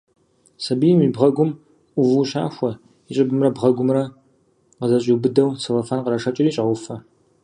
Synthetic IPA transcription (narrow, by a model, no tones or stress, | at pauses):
sɐbijɛmiːbʁɐɡʷʊm | ʔʷʊvuːʃa̰ːxʷɔ | iɕʼɪbɨmrɐbʁɐɡʷʊmrɐ | qəzɐɕʼibɨdɐwsʰɨlɐfaːnqəɾɐʂɐt͡ʃʼɪriːɕʼɐʁʷʊfɐ